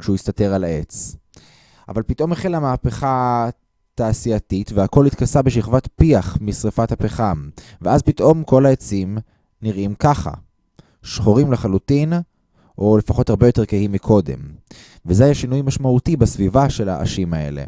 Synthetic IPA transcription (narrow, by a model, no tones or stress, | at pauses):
kʃeujistate̞ʁalae̞t͡s | a̰valpitʔo̞meχilamaːpeχa | taːsiatitveako̞lit̪kasabeʃ̬iχvatpiaχmisʁifathapeχamveazpitʔo̞mko̞laet͡sim | niʁʔimkaχa̰ | ʃχoʁimleχalutin | ʔo̞le̞faχo̞thaʁbejo̞te̞ʁkeɦhimːikʰo̞de̞̰m | vezeajaʃinujmaʃmautibasvivaʃe̞la̰ʔa̰ʃimae̞̰lḛ